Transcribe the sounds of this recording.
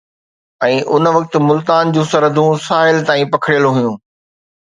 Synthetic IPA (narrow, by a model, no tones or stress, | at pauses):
ɛ̃ːʔʊnʋɐk̚t̪ɪ̆mʊlt̪aːnd͡ʑũːsɐɾəd̪ʱũsaːɪlt̪aːĩpɐkʰəɽjəloɦʊjũː